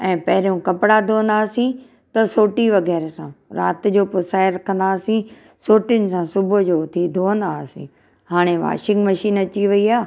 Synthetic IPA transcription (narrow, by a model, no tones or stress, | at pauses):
ɛ̃ːpɐɦɪɾjõkɐpɽad̪ʱoːə̃nd̪aːsĩ | t̪ɐsoːʈiʋɐɣɛːɾsãɾa̰ːt̪ɪ̆d͡ʑoːpʊsaːɪɾɐkʰə̃nd̪aːsĩ | soːʈijʊnɪ̆sãsʊbʊ̆d͡ʑoːt̪ʰid̪ʱoːə̃nd̪aːsḭ̃ː | haːɽ̃eʋa̰ːʃɪ̃ŋɡmɐʃiːnɐt͡ɕiʋɐiaː